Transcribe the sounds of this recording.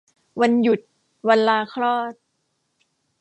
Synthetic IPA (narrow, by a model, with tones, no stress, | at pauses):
wa˧nju˨˩t̪̚ | wa˧nlaː˧kʰlɔː˥˩t̪̚